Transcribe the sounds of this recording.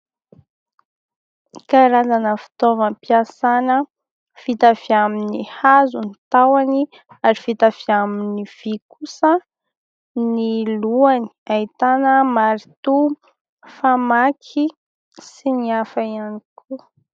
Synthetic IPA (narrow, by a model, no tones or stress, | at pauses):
kaɾazanəfi̥t̪ovəmpiasanə | fit̪aviaminihazunit̪awani | aɾifit̪aviaminiv̥ikusə | niluani̥ait̪anəmaɾit̪u | famakʰi | siniafaianikʰu